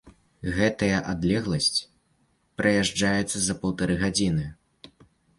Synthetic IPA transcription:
ɣɛt̪ɐjɐʔad̪lʲɛɣlˠɐsʲt͡sʲ | pɾɐjaʐd͡ʐajɛt̪sːɐzɐpɐwt̪aɾɨɣad͡zʲinɨ

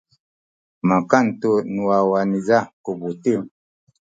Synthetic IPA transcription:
makan̩tonuwawanizakobotem

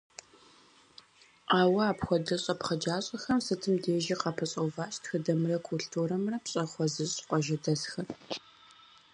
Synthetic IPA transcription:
aːwɐaːpxʷɔdɐɕʼɐpχɐd͡ʒaːɕʼɐxɐmsɨtʰɨmdeːʒɐqɐpʰɐɕʼɐwvaːɕtxɨdɐmrɐkʰulɬtʰuːɾɐmrɐpɕʼɐχʷɔzɨɕʼqʷʼɔʒɐdɐsxɐr

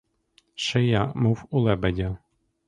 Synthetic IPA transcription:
ʃɛjamuwʊlˠɛbɛdʲa

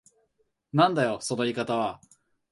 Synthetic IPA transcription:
nãnd̪ajo̞so̞no̞ikat̪aβ̞a

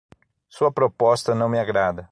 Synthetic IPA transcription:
suɐpɾopɔst̪ɐnɐ̃w̃mɪaɡɾad̪ɐ

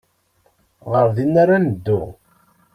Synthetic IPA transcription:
ʁəɾðinːaɾanəd̪ːʊ

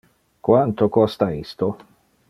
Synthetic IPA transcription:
kwant̪okɔst̪aist̪o

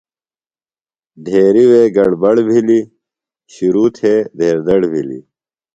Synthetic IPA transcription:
d̪ʱeːɾiweːɡɐɽbɐɽbʱili | ɕiɾuːt̪ʰeːd̪ʱeːɾd̪ɐɽbʱilḭ

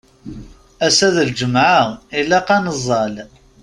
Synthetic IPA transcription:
æsæðəld͡ʒəmʕaʁilːæqɑnəzˤːɑl

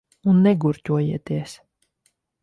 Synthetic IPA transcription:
unːɛɡuɾcʲuɔjiɛt̪iɛs

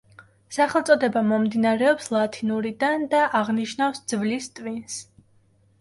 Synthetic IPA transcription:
saχɛlˠt̪sʼɔd̪ɛbamɔmd̪inaɾɛɔpslˠat̪ʰinuɾid̪and̪aʔaʁniʃnafsd̪z̥vlist̪ʼvins

